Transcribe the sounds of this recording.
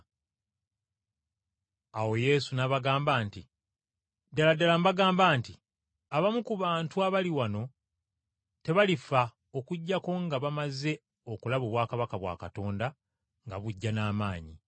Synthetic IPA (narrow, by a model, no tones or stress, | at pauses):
awo̞je̞ːsunaβaɡaːmbaːnti | daladalambaɡaːmbaːnti | aβamukuβaːntuaβaliwano̞ | te̞βalifa | o̞kuɟːako̞ŋɡaβamaze̞ | o̞kulaβo̞βwaːkaβakaβwa̰ːkato̞ːnda | ŋɡa̰βuɟːanaːmaːɲi